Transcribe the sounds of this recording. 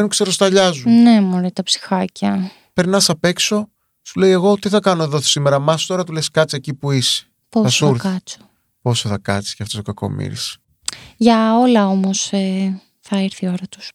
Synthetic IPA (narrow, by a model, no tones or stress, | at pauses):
nukseɾost̪ɐʎɐzune̞moɾet̪ɐpsi̥xɐcɐ | pe̞ɾnɐsɐpe̞kso̞ | sule̞je̞ɣo̞t̪iθɐkɐno̞eðoθsimeɾɐmɐst̪o̞ɾɐt̪uleskɐt͡siecipuisi̥ | posɐsuɐɾkɐt͡so̥ | po̞soθɐkɐ̰t͡si̥sceɐft̪ost̪okɐko̞̰mḭɾḭs | ʝɐo̞lɐo̞mo̞se | θɐeɾθio̞ɾɐt̪u̥s